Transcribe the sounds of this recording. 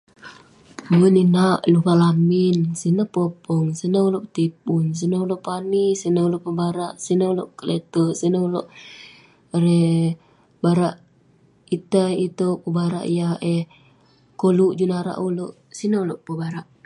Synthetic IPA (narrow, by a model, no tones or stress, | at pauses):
ninaʔlupalaminsinəpopɔŋsinəuloʔpt̪ip̚uns̬inəuloʔpanisinəuloʔpəbaɾaʔsinəuloʔkəlet̪əsinəuloʔ | ɾe | baɾaʔ | it̪ait̪opəbaɾa̰ʔijaeh | koluʔd͡ʒunaɾa̰ʔuloʔ | sinəuloʔpəbaɾaʔ